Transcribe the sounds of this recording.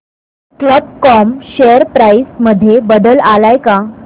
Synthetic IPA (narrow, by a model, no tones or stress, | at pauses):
kləb̚kɔmɕeəɾpɾaisməd̪ʱːjebəd̪əlalajka